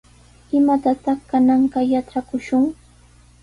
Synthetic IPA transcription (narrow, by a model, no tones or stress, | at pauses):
ɪmat̪at̪ɑχkanɑɴɢɑjaʈ͡ʂakʊʃʊŋ